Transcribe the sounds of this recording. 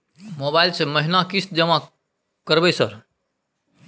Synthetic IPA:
mobaɪlseməɦinakist̪̚d͡ʒəma | kəɾbɛsəɾ

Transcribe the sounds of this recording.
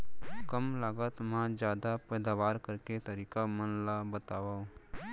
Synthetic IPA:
kəmlaːɡət̪mãd͡ʒjaːd̪apɛːd̪aːwaːɾkəɾket̪əɾiːkamənlabət̪aːwãː

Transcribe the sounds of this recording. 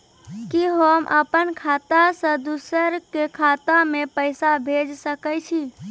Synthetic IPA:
kiɦəmʔə̰pənkʰat̪asə̃d̪usəɾkekʰat̪amepəɪsabʱed͡ʒsəkət͡ʃʰi

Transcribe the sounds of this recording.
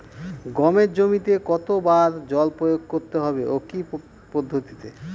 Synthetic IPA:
ɡɔmeɾd͡ʑomit̪ekɔt̪obaɾd͡ʑɔlpɾojoɡ̚koɾt̪eɦɔbeʔoki | pod̪ʱːot̪i̥t̪e

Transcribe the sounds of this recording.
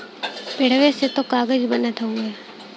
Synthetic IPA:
pɪɽ̤ʋeset̪okaːɡəd͡ʒbənat̪ʰũɡeː

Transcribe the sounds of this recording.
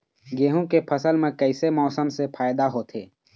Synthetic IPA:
ɡeːɦũkepʰəsəlmẽkəɪsemɔːsəmsepʰaːjd̪aɦoːt̪ʰḛː

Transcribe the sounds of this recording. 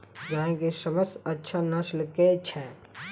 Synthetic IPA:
d͡ʒaːɦẽkisəməst̪ətːʃʰanəslket͡ʃʰɛ

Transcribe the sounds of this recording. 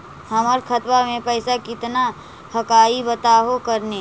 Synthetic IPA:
həməɾkʰət̪wamẽpəɪsakɪt̪na | həkaːibət̪aːɦokəɾne

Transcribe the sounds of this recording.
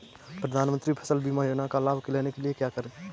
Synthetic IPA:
pɾəd̪ʱaːnmə̃nt̪ɾipʰə̥səlbʱimajoːnakalaːbʱkeleːnekeliekjakəɾẽ

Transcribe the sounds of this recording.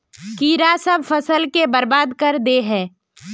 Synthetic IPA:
kiːɾasəb̚fəsəlkebəɾbaːd̪kəɾd̪eɦɛ̃ː

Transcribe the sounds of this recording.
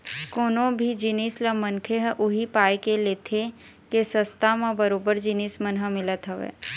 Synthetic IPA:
koːnõbʱid͡ʒɪniːsləmə̃nkʰeɦʔʊɦipaːjkeleːt̪ʰe | kesəst̪ʰamãbəɾoːbəɾd͡ʒɪniːsmənɦəmɪlət̪ɦəʋḛː

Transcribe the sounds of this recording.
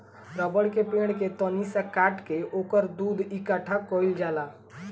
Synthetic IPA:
ɾəbəɽkepẽɽ̃ket̪ɔnisakaʈkeʔokəɾd̪uːd̪ikaʈʰakoild͡ʒala

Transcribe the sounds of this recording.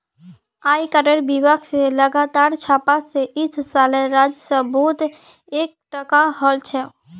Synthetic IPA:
aːikəɾəɾbibakʰseləɡat̪aːɾt͡ʃʰaːpaseʔɪsʰsaːleɾaːd͡ʒsə̃bɔːt̪ | eːk̚ʈəkaɦɔlt͡ʃʰɛ

